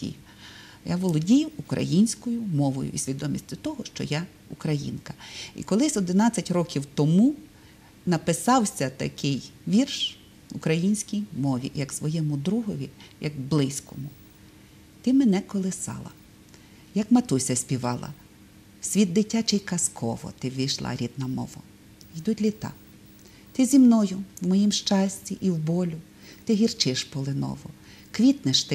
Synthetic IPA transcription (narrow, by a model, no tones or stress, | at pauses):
ḭ | jaʋɔlˠɔdʲijʊːkɾɐ̰jinʲsʲkɔjʊmɔʋɔ̰jʊ̰isʲʋʲid̪ɔmʲḭsʲtʲʊt̪ɔɦɔʃt͡ʃɔ̰ja | ukɾɐjḭnkɐ̥ḭkɔlˠɪsʲɔd̪ɪnɑt͡sʲːɐtʲrɔkʲiwt̪ɔmu | nɐpɪsɑwsʲɐt̪ɐ̰kɪjʋʲirʃ | ukɾɐjinʲsʲkʲijmɔʋʲḭjɐksʋɔjɛmʊd̪ɾuɦɔʋʲijɐɡblˠɪsʲkɔmʊ | t̪ɪmenɛkɔlˠɪsɑ̰lˠɐ̰ | jɐkmɐt̪usʲɐsʲpʲiʋɑlˠɐ̰ | sʲʋʲid̪d̪ɪtʲːat͡ʃɪjkɐskʰɔ̰ʋɔ̰t̪ɪʋɪjʃlˠɑ̰ɾʲid̪̚nɐmɔ̰ʋɐ̰ | id̪utʲlʲit̪ɑ̰ | t̪ɪzʲimnɔjʊwmɔjimʃt͡ʃɑsʲt͡sʲiʔiwbɔlʲʊ | t̪ɪɦʲirt͡ʃɪʃpɔlˠɪnɔ̰ʋɔ | kʋʲit̪nɪʃt̪ɪ